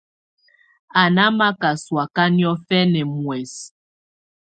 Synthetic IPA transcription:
a˨na˦ma˦ka˨swa˨ka˦njɔ˦fɛ˦nɛ˨mwɛ˨s

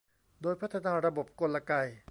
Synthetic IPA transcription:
doː˧jpʰa˥t̪ʰːa˧naː˧ɾa˧bo˨˩p̚ko˧tla˧ka˧j

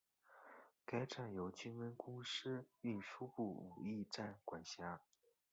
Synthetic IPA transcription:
ka˥ɪʈ͡ʂa˥˩njo˧˥ʊt͡ɕy˥nwə˥nkʊ˥ŋʂɻ̩˥y˥˩nʂu˥pu˥˩u˨˩i˥˧ʈ͡ʂa˥˩nkwa˨˩nɕja˧˥

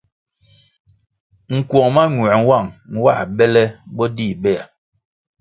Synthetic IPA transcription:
ŋ̩˨kwɔ˨ŋma˦ɲwɛ˨n̩˦wa˦˨ŋŋ̩˦wa̰˦˨bɛ˦lɛ˦bɔ˦di˦˨bɛ˦˨a˨

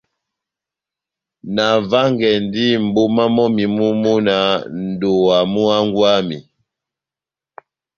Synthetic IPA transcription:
na˨va˦ŋɡɛ˨ndi˦m̩˨bo˦ma˦mɔ˦mi˨mu˦mu˦na˨n̩˨do˨wa˨mu˦a˦ŋɡwa˦mi˨

